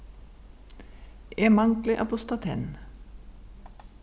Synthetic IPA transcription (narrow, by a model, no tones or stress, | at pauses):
eːmɑŋklɪʔɑ̰pʊst̪ɑt̪ʰɛ̰n